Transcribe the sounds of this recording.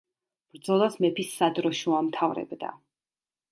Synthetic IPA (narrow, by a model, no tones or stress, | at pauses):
b̥ɾd̪zɔlˠasmɛpʰisːad̪ɾɔʃuamt̪ʰavɾɛ̰bd̪a̰